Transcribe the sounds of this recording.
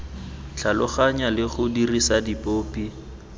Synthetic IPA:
t͡ɬʰalʊχaɲalɪχʊdirisadipʼoːpi

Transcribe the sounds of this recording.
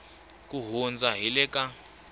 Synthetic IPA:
k̬ʼuɦund͡zaɦilɛka

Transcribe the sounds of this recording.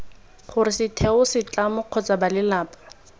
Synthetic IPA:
χʊrɪsɪtʰɛʊsɪt͡ɬʼamʊq͡χʰɔt͡sʼabalɪlaːpʼḁ

